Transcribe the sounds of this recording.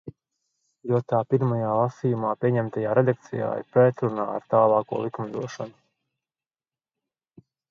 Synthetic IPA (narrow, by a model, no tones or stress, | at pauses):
juɔt̪aːpiɾmajaːlˠasiːjumaːpʲiɛɲɛmt̪ajaːɾɛd̪ak̚t̪sija̰ːḭpɾɛt̪ɾunaːa̰ɾt̪aːlˠaːkṵːlˠikumd̪uɔʃa̰nu